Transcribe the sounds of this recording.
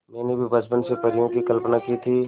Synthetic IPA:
mɛ̃ːnebʱibʱɐd͡ʒpənsepɐɾɪjõkikɐlpnakit̪ʰiː

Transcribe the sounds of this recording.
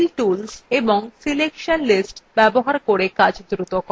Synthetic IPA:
lʈulseboŋsilekʃonlisʈbɛboɦaɾkoɾekad͡ʑʱd̪ɾut̪okɔ

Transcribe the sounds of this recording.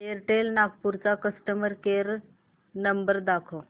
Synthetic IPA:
eɾʈelnaɡpuɾt͡sakəsʈəməɾkeɾ | nəmbəɾd̪akʰo

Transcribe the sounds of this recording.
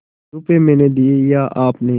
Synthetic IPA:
ɾʊpemɛ̃ːned̪iejaːʔaːpne

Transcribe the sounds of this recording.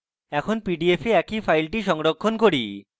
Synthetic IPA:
ɛkʰonpiɖiefeɛkifʰajlʈiʃɔŋɾokʰːonkoɾi

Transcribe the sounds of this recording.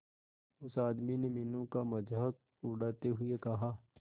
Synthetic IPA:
ʊsaːd̪minemɪnõkamɐd͡ʒɦək̚ | ʊɽaːt̪eɦʊekɐɦaː

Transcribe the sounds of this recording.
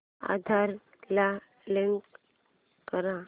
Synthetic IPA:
a̰d̪ʱaɾ | la | leŋk | kəɾã

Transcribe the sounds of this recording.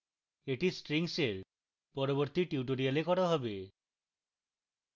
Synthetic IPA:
eʈisʈɾiŋseɾ | pɔɾobɔɾt̪iʈiuʈoɾialekɔɽɔɦɔbe

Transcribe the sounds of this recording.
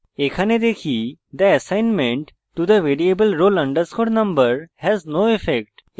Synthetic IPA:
ekʰaned̪ekʰid̪əəsajnmẽɳʈ | ʈːud̪əʋeɾiebəlɾolʌ̃ɳɖəɾskoʈnʌ̃mbəɾhɛznoːefek̚ʈ

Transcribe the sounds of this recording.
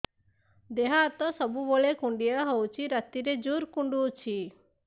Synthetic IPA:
d̪eɦat̪ɔsɔbuboɭekuɳɖijəɦɔwt͡ʃʰiɾət̪iɾed͡ʒuɾkuɳɖut͡ʃʰi

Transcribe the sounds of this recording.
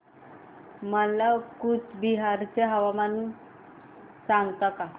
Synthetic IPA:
məlakut͡sbiɦaɾt͡ɕeɦəʋamanu | sãŋɡt̪aka

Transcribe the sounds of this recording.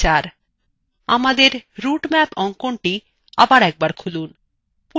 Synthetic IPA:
aɾ | amad̪eɾɾuʈmɛpɔŋkoɳʈi | abaɾɛk̚baɾkʰulun | pu

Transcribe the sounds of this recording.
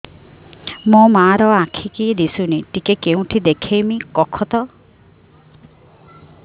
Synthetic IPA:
mɔmaːɾɔãkʰikid̪isuniʈikekeũʈʰid̪ekʰejmikɔkʰɔt̪ɔ

